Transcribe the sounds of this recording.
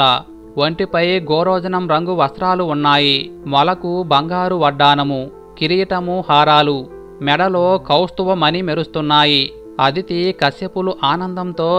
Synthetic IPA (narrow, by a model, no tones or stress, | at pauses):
ɐ | ʋɐɳʈipɐjɡɔːɾɔːd͡ʒɐnɐmɾɐŋɡuʋɐst̪ɾaːluːnːaːjimɐlɐkubɐŋɡaːɾuʋɐɖːaːnɐmu | kiɾijʈɐmuhaːɾaːlu | mɛɽɐlo̞ːkɐwst̪uʋɐmɐnimeɾust̪unːaːji | ɐd̪ʱit̪ikɐsjɐpuluʔaːnɐnd̪ɐmt̪o̞ː